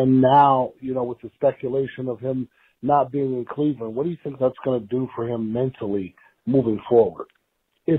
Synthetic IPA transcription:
ɨ̃nːaʊjɨnoʊwəðɨspɛkʰjəleɪʃɨ̃nʌv̥ɪ̃m | nət̚b̥iɪ̃ŋɨ̃nkʰl̥ivə̃nwʌt̚d̥ɨjɨθɪ̃ŋk̚ðætsɡ̥ʌnɨdɨfə˞ɪ̃mːɛ̃ntʰl̩ˠi | muvɪ̃ŋfɔɹwə̰˞d | ɪ

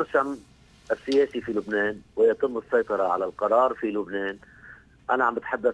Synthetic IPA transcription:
ɾʃam | ʔɪsːɪjeːsifilʊbneːnwɪjɑt̪ˤɨmːɨsˤːɑjt̪ˤɑɾˤɑʕa̰lalqɑɾˤɑːɾˤfilʊbneːn | ʔanaʕambat̪ħad̪ːa

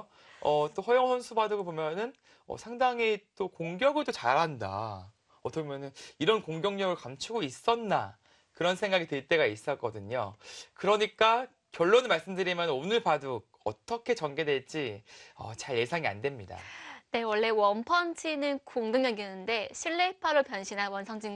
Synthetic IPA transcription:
ʌt͈oɸʌjoŋsʰʌnsʰubadɯɡopomjʌnɯn | ʌ̰sʰaŋdaŋɦit͈okoŋɡjʌɡɯɭdot͡ɕaɾɦanda̰ | ʌt͈ʰʌmjʌnɯniɾʌnkoŋɡjʌŋɲʌɡɯɭkamt͡ɕʰuɡois͈ʌnːa | kɯɾʌnsʰe̞ŋɡaɡitwɯɭt͈e̞ɡais͈ʌk͈ʌdɯɲokɯɾʌɲik͈a | kjʌɭːonɯnmaɭs͈ɯmdɯɾimjʌnonɯɭpadu | ʌ̰t͈ʌkʰe̞t͡ɕʌnɡe̞dwe̞ɭt͡ɕ͈iʌ̰t͡ɕaɭje̞sʰaŋia̰ndwe̞mɲida̰ne̞wʌɭːe̞wʌnpʰʌnt͡ɕʰinɯnkoŋɡɯŋɲʌɡinɯnde̞ɕʰiɭːepʰaɾopjʌnɕʰinɦanwʌnsʰʌŋd͡ʑiŋ

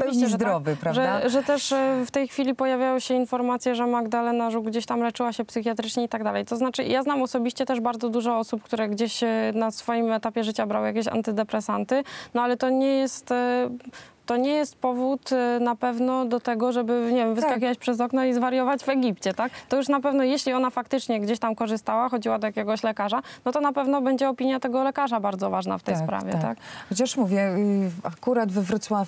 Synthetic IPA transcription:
ɔviɕt͡ɕɛzd̪ɾɔvɘpɾaʐɛʐɛt̪ɛʂft̪ɛjxfʲilʲipɔjavʲjajɔ̃wɕɛinfɔɾmat̪sʲjɛʐɛmaɡd̪alɛnaʐuɡd͡ʑeɕt̪amlɛt͡ʂɘwaɕɛpsɨxʲjat̪ɾɘt͡ʂɲɛit̪aɡd̪alɛjt̪ɔznat͡ʂɘḭjaznamɔsɔbʲiɕt͡ɕɛt̪ɛʐbaɾd̪zɔd̪uʐɔɔsupkt̪uɾɛɡd͡ʑeɕnasfɔjimɛt̪apʲjɛʐɘt͡ɕabɾa̰wjakʲeɕa̰nt̪ɘd̪ɛpɾɛsant̪ɘnɔalɛt̪ɔɲɛjɛst̪ | ɔɲɛjɛst̪pɔvut̪napɛvnɔd̪ɔt̪ɛɡɔʐɛbɘɲɛvʲjɛmvɨskak̬ʲivat͡ɕpʂɛzɔknɔizvaɾjɔvad͡ʑvɛɡʲipt͡ɕɛt̪akt̪ɔjuʂnapɛvnɔjeɕlʲiɔnafakt̪ɘt͡ʂɲɛɡd͡ʑeɕt̪amkɔʐɨst̪awaxɔd͡ʑiwad̪ɔjakʲɛɡɔɕlɛkaʐanɔt̪ɔnapɛvnɔbɛɲd͡ʑɛɔpʲiɲjat̪ɛɡɔlɛkaʐabaɾd̪zɔvaʐna̰ft̪ɛjspɾa̰vʲjɛtt̪a̰kxɔt͡ɕaʂmuvʲjɛakuɾad̪vɘvɾut̪swa

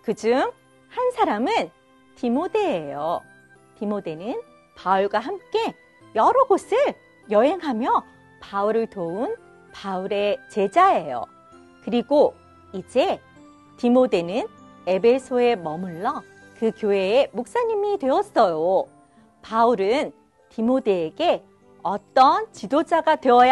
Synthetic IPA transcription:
kɯd͡ʑuŋ | hansʰaɾamɯn | timode̞ːjo | timode̞nɯn | pauɭɡwaɦamk͈e̞ | jʌɾʌɡosʰɯɭ | jʌɦe̞ŋɦamjʌ | pauɾɯɭtoun | pauɾe̞t͡ɕe̞d͡ʑaejo̰ | kɯɾiɡo | id͡ʑe̞ | timode̞nɯn | e̞be̞sʰoe̞mʌmuɭːʌ | kɯkjoɦe̞ːmok̚s͈aɲimidwe̞ʌs͈ʌjo | pauɾɯn | timodeːɡe̞ | ʌt͈ʌnt͡ɕidod͡ʑaɡatwe̞ʌj

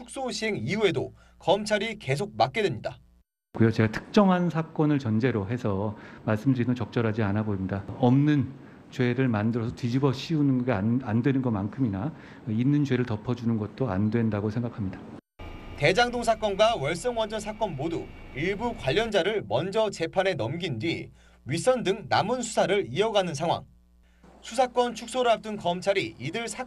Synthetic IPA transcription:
tʰuk̚s͈oɕʰiɦe̞ŋiue̞do | kʌmt͡ɕʰaɾike̞s̬ʰok̚mak̚k͈e̞dwemɲida | ɡujʌt͡ɕe̞ɡatʰɯ̥k̚t͡ɕ͈ʌŋɦannsʰak͈ʌnɯɭt͡ɕʌnd͡ʑe̞ɾoɦe̞sʰʌmaɭs͈ɯmdɯɾinɯt͡ɕʌk̚t͡ɕ͈ʌɾɦad͡ʑianaboimɲidaʌmnɯn | t͡ɕwe̞ɾɯɭmandɯɾʌsʰʌtid͡ʑibʌɕʰiunɯnɡʌɡeandwe̞nɯnɡʌmankʰɯmina | inːɯnt͡ɕwe̞ɾɯɭtʌpʰʌd͡ʑunɯnɡʌt̚t͈oandwe̞ndaɡosʰe̞ŋɡakʰamɲida | te̞d͡ʑaŋdoŋs̬ʰak͈ʌnɡwawʌɭs͈ʌŋwʌnd͡ʑʌnsʰak͈ʌnmoduiɭbukwaʎːʌnd͡ʑaɾɯɭmʌnd͡ʑʌt͡ɕe̞pʰane̞nʌmɡindwi | ɥis͈ʌndɯŋnamɯnsʰu̥sʰaɾɯɭiʌɡanɯnsʰaŋwa̰ŋ | sʰusʰak͈wʌnt͡ɕʰuk̚s͈oɾɯap̚t͈ɯnkʌmt͡ɕʰaɾiidɯɭsʰa

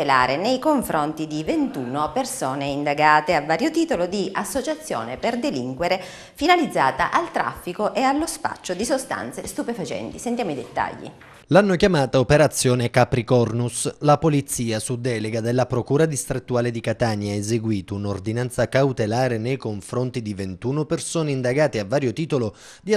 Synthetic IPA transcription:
ela̰ːɾenejkoɱfɾont̪id̪ivent̪uːnopersɔːneind̪aɡaːt̪eavːaːɾjot̪iːt̪olod̪iʔasːot͡ʃat̪sːjɔ̰ːneperd̪eliŋkweɾe | finalid̪zːaːt̪a̰ʔalt̪ɾa̰fːikoʔealːospa̰t͡ʃːod̪isost̪a̰nt̪sest̪upefat͡ʃɛ̰nt̪isent̪jamoid̪et̪ːa̰ʎːḭ | lanːokjamaːt̪aopeɾat̪sːjɔːnekapɾikɔrnuslapolit̪sːiːasud̪ːɛːleɡad̪elːapɾokuːɾad̪ist̪ɾet̪ːuaːled̪ikat̪aɲːaezeɡwiːt̪ounord̪inant̪sakawt̪elaːɾenejkoɱfɾont̪id̪ivent̪uːnopersoːneind̪aɡaːt̪eavːaːɾjot̪iːt̪olo | d̪i

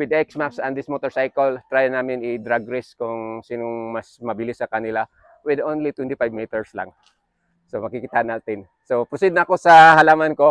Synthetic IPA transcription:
wɪd̪ɛksmapsɐnd̪ɪsmot̪oɹsajkɐlt̪ɾaːjɐnaːmɪnɪd̪ɾaɡɾɪskʊŋsiːnoŋmɐsmɐbɪlɪsɐkɐnɪla | wɪd̪ʔonlit̪wɛnt̪ɪpajbmiːt̪ɛɹsla̰ŋ | somɐɡkikɪt̪aʔɐnaːt̪ɪn | sopɾosid̪nɐɐko̞sɐhɐlaːmɐnko̞

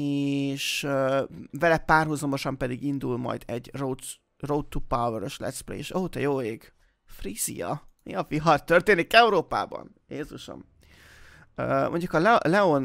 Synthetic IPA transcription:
eʃøvɛlɛpaːrɦuzɒmo̞ʃɒmpɛd̪iɡind̪ulmɒ̰jd̪ɛɟro | rot̪ːupawvøɾøʃlɛ̰t̪splḛeːʃɒɦot̪ɒjoːeːɡ | friːz̥ḭjɒ̰jɒviɦɒrt̪ørt̪eːnikɛuɾoːpa̰ːbɒ̰n | jeːzuʃo̰m | øːmʔoɲɟukɒlɛlɛon

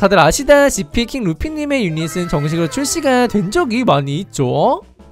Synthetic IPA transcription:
adɯɾaɕʰidaɕipʰikʰiŋɾupʰiɲːime̞junisʰɯnt͡ɕʌŋɕ̬ʰiɡɯt͡ɕʰuɭɕ͈iɡatwe̞nd͡ʑʌɡimaɲiːt̚t͡ɕ͈o

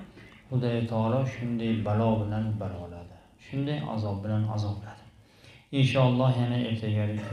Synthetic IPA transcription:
hʊd̪ajt̪ʰɒlˠɒʃʊnd̪ajbalɒbɪlanbalɒlad̪ɪ | ʃʊnd̪ajʔa̰zɒb̚bɪlana̰zɒblad̪̥ɪ̥ | ɪnʃɒːlˠːɒhjanaʔeɾt̪ʰaɡʲaɾɪkʲʰ

